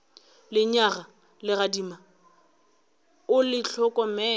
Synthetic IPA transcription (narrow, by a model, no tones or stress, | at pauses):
lɪɲaɣa | lɪradima | ʊlɪɬʰɔkʼɔmɛː